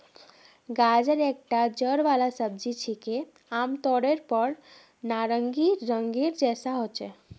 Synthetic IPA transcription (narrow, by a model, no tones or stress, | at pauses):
ɡad͡ʒəɾek̚ʈad͡ʒəɽʋalasəb̚d͡ʒit͡ʃʰike | amt̪ɔɽeɾpəɾ | naɾəŋɡiɾəŋɡiɾd͡ʒɛsaɦot͡ʃɛ